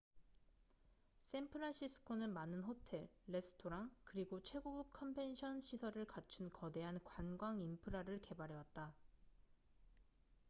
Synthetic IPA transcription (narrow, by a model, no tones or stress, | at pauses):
s͈ʰempʰɯɾanɕ͈ʰisʰɯ̥kʰonɯnmanɯnhotʰe̞ɭːe̞sʰɯ̥tʰoɾaŋkɯɾiɡot͡ɕʰwe̞ɡoɡɯp̚kʰʌmpʰe̞nɕʰʌnɕʰisʰʌɾɯɭkat͡ɕʰunkʌde̞ɦankwanɡwaŋimpʰɯɾaɾɯɭke̞baɾewat̚t͈a